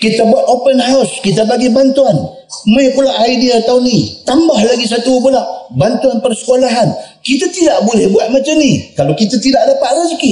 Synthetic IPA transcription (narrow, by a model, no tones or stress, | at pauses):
kit̪abuat̪̚opənɦaʊskit̪̬abaɡibant̪uan | məjpulaʔaidiaat̪awnit̪ambahlaɡis̬at̪upulaʔbant̪uanpərsə̥kolaɦan | kit̪at̪idaʔbolɛhbuaʔ̪̚mat͡ʃəmnikalokit̪at̪idaʔdapaʔ̪lasiki